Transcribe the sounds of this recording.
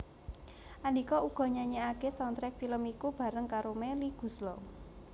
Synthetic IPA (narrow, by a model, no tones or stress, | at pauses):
ʔanikɔuɡ̥ɔ̤ɲaɲeakesɔnt̪ɾɛk̚filəmikub̥a̤ɾəŋkaɾomeliɡ̥ṳslɔ